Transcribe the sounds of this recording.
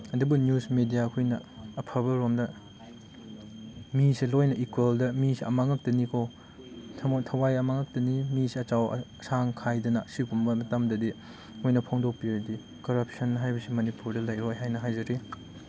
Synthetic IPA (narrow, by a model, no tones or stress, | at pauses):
ɐdubunjusmedijakʰujnɐ̰ːpʰɐβɐɾomdɐ | misilojnɐikweldɐmisiɐ̰maŋɐk̚tɐnikʰo | tʰɐwajɐmaŋɐk̚tɐnimisiɐt͡ʃaw̰ɐsaŋkʰajdɐnɐsikumbɐmɐtɐmdɐdi | mojnɐpʰoŋdok̚pidi | kɐɾɐp̚sɐnːɐɦajbɐsimɐnipuɾdɐlɐjɾojɦajnɐɦajzɐɾi